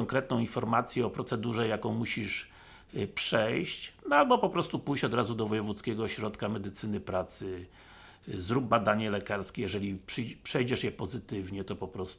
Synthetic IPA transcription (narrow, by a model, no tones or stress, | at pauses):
ɔŋkɾɛt̪̚nɔ̃w̃infɔɾmat̪sʲjɛɔpɾɔt̪sɛd̪uʐɛjakɔ̃w̃muɕiʂ | pʂɛjɕt͡ɕnalbɔpɔpɾɔst̪upujɕt͡ɕɔd̪ɾazud̪ɔvɔjɛvut̪skʲɛɡɔɕɾɔt̪kamɛd̪ɘt̪sɘnɘpɾat̪sɘ | zɾub̚bːad̪aɲɛlɛkaɾskʲɛjɛʐɛlʲipʂɘpʂɛjd͡ʑɛʂjɛpɔzɘt̪ɘvɲɛt̪ɔpɔpɾɔst̪